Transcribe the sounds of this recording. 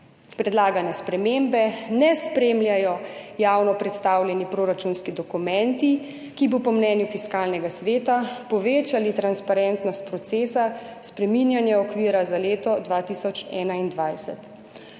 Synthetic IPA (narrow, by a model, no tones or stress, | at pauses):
pɾɛd̪laːɡanjɛspɾɛmembɛnɛspɾeːmljajɔjaːwnɔpɾɛt̪st̪aːwlʲjɛnipɾoːɾat͡ʃunskid̪ɔkumɛnt̪i | kibɔpɔmnɛːnjufiskaːlnɛɡasʋeːt̪apɔʋeːt͡ʃalit̪ɾanspaɾɛnt̪nɔst̪̚pɾɔt̪seːsaspɾɛminjanjɛɔkʋiːɾazaleːt̪ɔd̪ʋat̪isɔt͡ʃɛ̰ːnaind̪ʋajsɛ̰t̪